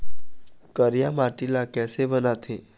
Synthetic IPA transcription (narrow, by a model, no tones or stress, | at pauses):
kəɾjamaʈilakɛsebənat̪ʰe